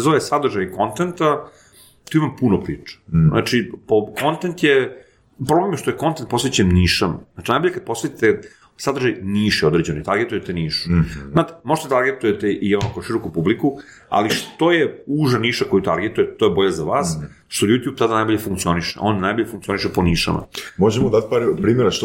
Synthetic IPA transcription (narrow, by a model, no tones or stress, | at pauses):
zoʋesad̪r̩ʒajko̞nt̪ent̪a | t̪uimampunopɾḭːt͡ʂe̥zna̰t͡ʂipoko̞nt̪ent̪je | pɾo̞blemjeʃt̪ojeko̞nt̪ent̪̚po̞sʋet͡ɕenniːʃamat͡ʃinajboʎʲekad̪̚po̞sʋe̞t̪it̪e | sad̪rʒajniːʃjeo̞d̪ɾed͡ʑenoit̪aɾɡet̪ujet̪eniːʃu̥naːt̪e̥mo̞ʒet̪et̪aɾɡet̪ujet̪eʔionokoʃiɾokupubliku | a̰liʃt̪o̞jeuʒaniːʃako̞jut̪aɾɡet̪ujet̪ojebo̞ʎazaʋaːs | ʃt̪o̞jut̪jub̚t̪ad̪anajbo̞ʎefuŋkt̪sio̞niʃḛʔonːajbo̞ʎefuŋk̪̚sio̞niʃeponiːʃa̰ma̰moʒemod̪at̪paɾpɾiːmeɾaʃ